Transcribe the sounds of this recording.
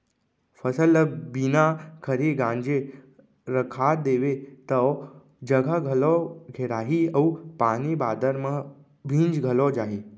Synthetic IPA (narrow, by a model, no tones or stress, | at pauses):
fʰəsələbinakʰəɾiɡãːnd͡ʒe | ɾəkʰad̪eːʋet̪ə | d͡ʒəɡʱaɡʱəloɡʱeɾaːɦiəupaːnibaːd̪əɾmã | bʱĩːnd͡ʒɡʱəlod͡ʒaːɦiː